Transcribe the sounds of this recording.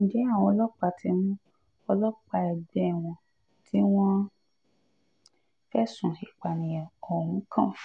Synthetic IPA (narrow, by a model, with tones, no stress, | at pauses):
ĩ˨d͡ʒɛ˨˦a˦˨w̃ɔ̃˧lɔ˦k͡pa˧tʰi˧˦mũ˦ | ɔ˧lɔ˦k͡pa˧ɛ˨ɡ͡bɛ˨˦˨w̃ɔ̃˧ | tʰi˦w̃ɔ̃˦ | fɛ˦sũ˨ʃi˨k͡pa˨nĩ˨jã˨o˨hũ˨˦kʰã˦˨f